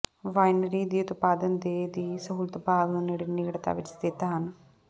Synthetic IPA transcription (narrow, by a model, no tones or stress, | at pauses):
ʋaːjnɾiːd̪iːʊt̪paːd̪ənd̪eːd̪iːsəɦuːlət̪paːdɦoneːɽiːnɪɡɽt̪a̰ːʋɪt͡ʃd̪ɪt̪aɦən